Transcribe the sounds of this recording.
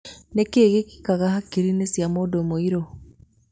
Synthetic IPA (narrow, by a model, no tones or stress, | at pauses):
nekeːɣeki̥kaɣahakiɾinesjamoːdomoiɾo